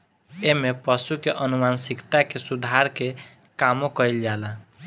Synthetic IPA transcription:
emepəʃukeʔənumansikt̪akesud̪ʱaɾke | kamokəild͡ʒala

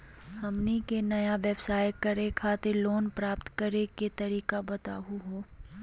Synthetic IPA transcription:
hɐmnikenɐjaʋɛbsaːjkɐɾekʰaːt̪eɾloːnpɾaːpt̪kɐɾeket̪ɐɾiːkabɐt̪a̰ːɦuɦoː

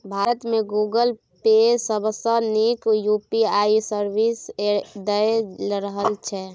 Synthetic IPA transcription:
bʱaɾət̪mẽɡuɡəl | pesəbsənikjupiaisəɾbised̪əelɾəɦəlt͡ʃʰɛ

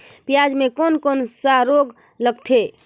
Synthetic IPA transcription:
pijad͡ʒmekonkonsaɾoɡ | ləɡ̚t̪ʰe

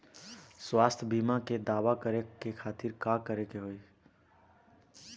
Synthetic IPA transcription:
swast̪ʰbimaked̪aːwakəɾekekʰaːt̪iɾkakəɾekeɦoi

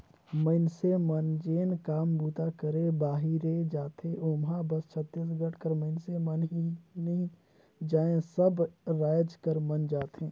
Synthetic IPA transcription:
məɪnsemənd͡ʒeːnkaːmbuːt̪akəɾebaːɦiɾed͡ʒaːt̪ẽʔoːmɦabɐst͡ʃʰət̪ːiːs̬ɡəʈʰkəɾməɪnsemənɦinɐĩ | d͡ʒaːẽsɐbɾaːjəd͡ʒkəɾmənd͡ʒaːt̪ɦẽː

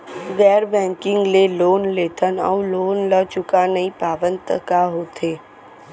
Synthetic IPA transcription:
ɡɛːɾbɛ̃ːŋkɪ̃ŋɡleloːnleːt̪ʰənɔ̰wloːnləːt͡ʃʊkanɐĩpaːʋə̃nt̪əkaɦot̪ʰeː

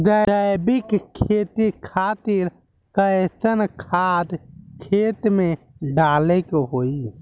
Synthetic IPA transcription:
d̪əəjbɪkkʰːeːt̪ikʰaːt̪ɪɾ | kəsənkʰaːd̪kʰeːt̪mẽ | ɖaːlekeɦoi

